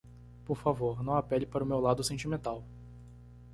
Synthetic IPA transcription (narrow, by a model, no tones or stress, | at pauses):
poɾfavoɾnɐ̃w̃apɛlɪpaɾʊmewlad̪ʊsẽnt͡ʃimẽnt̪aw